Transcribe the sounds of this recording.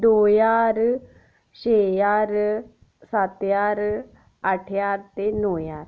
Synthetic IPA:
d̪ojaɾ | ɕejaɾ | sat̪jaɾ | aʈʰjaɾt̪enojaːɾ

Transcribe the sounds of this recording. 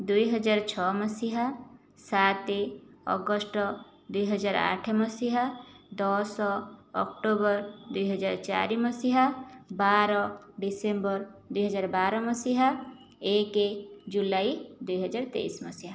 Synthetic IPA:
d̪uiɦəd͡ʒaɾt͡ʃʰɔməsiɦa | sat̪eɔ̰ɡəsʈ | d̪uiɦəd͡ʒaːɾa̰ːʈʰməsiɦad̪ɔsɔɔ̰kʈobəɾd̪uiɦəd͡ʒaɾt͡ʃa̰ɾiməsiɦabaɾɔ | ɖisembəɾd̪uiɦəd͡ʒaːɾbaɾɔməsiɦa | eked͡ʒulaid̪uiɦəd͡ʒaːɾt̪ḛisməsiɦa

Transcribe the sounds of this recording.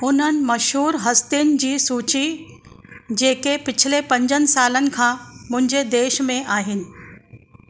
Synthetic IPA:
ʊn̤ənɪ̆mɐʃɦuːɾɦɐst̪ɪjnɪ̆d͡ʑiːsuːt͡ɕi | d͡ʑeːkepɪt͡ɕʰɪlepɐ̃ɲd͡ʑənɪ̆saːlənɪ̆kʰãːmʊ̃ɦɪ̃ɲd͡ʑed̪eːʃmẽʔaːɦɪnɪ̆

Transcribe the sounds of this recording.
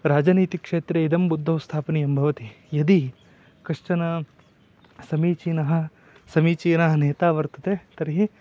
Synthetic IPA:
ɾaːd͡ʒaniːt̪ikʂeːt̪ɾɐid̪ɐmbud̪ʱːɐʋst̪ʰaːpɐnijɐmbʱɐʋɐt̪i | jɐd̪i | kɾɐʂt͡ʃɐnɐ | sɐmiːt͡ʃiːnɐɦɐ̆ | sɐmiːt͡ʃiːnɐɦɐneːt̪aːʋɐɾt̪ɐ̥t̪eːt̪ɐɾiɦi

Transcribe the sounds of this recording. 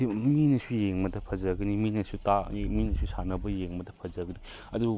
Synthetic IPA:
iminɐsujeŋmɐdɐpʰɐzɐɡɐniminɐsutaminɐsusanɐbɐjeŋmɐdɐpʰɐzɐɡɐni | ɐdu

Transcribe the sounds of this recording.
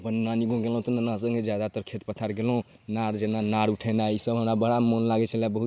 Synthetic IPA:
pənːaniɡõɡelɦũt̪ɔnənasə̃ŋɡed͡ʒjad̪at̪əɾkʰet̪pət̪ʰaɾɡelũ | naɾd͡ʒenanaɾuʈʰɛnaisəbɦəmɾabəɽamonlaɡɛt͡ʃʰɛlɛbəɦut̪

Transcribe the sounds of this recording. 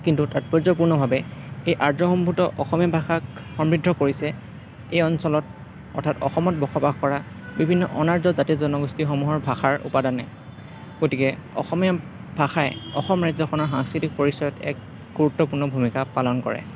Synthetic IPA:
kintutat̚pɔzɔpuɹnɔbʱabɛejʔaɹzɔxɔmbʱutɔʔɔxɔmijabʱaxakxɔmbɹidʱɔkoɹisɛ | ejɔnsɔlɔt | ɔ̰ɹtʰatɔ̰xɔmɔt̚bɔxɔbaxkɔɹa | bibʱinːɔʔɔnaɹzɔzatizɔnɔɡustixɔmuɦɔɹbʱaxaɹṵpadanɛ | ɡ̥otikɛɔ̰xɔmia | bʱaxajɛɔxɔmɹajzɔxʰɔnɔɹxaŋskɹitik̚poɹisɔjɔtɛ̰k̚ | ɡ̥uɹutːɔpuɹnɔbʱumikapalɔnkɔ̰ɹɛ̰

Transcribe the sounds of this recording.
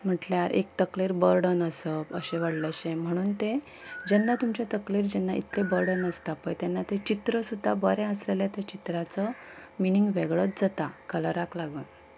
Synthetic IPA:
m̤əʈljaɾʔḛkt̪əkleɾbəɾɖənəsəpəɕẽʋəɽləɕẽm̤əɽ̃uːnt̪ẽ | d͡ʑɛnːat̪umt͡ɕet̪əkleɾd͡ʑɛnːaʔḭt̪ʰlẽbəɾɖənəst̪apəjt̪ɛnːat̪et͡ɕit̪ɾəsud̪ʱːabəɾɛ̃əslelet̪at͡ɕit̪ɾat͡sɔminiŋɡʋeɡɭɔt̪̚d͡zət̪akələɾaklaɡən

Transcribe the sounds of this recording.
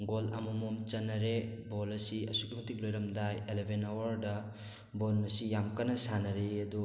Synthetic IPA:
ɡolɐ̰mɐmumt͡ʃɐnːɐɾebolɐsiɐsukimɐtik̚lojɾɐmdajelebʱenawɐɾdɐ | bolnɐsijamkɐnɐsanɐɾeɐdu

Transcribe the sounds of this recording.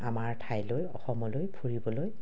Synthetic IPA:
amaɹtʰajlojɔxɔmɔlojpʰuɹibɔloj

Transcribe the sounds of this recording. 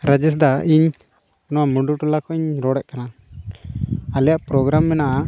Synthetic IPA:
ɾəd͡ʒis̬d̪aiɲ | nɔwamuɳɖuʈulakɔiɲɾɔɽɛʔ̚kana | alɛjaʔpɾɔɡɾamːɛnaʔ

